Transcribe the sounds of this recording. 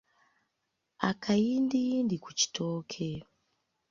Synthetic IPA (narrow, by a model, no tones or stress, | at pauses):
a̰kʰaindiindikut͡ʃi̥tʰoːkʰe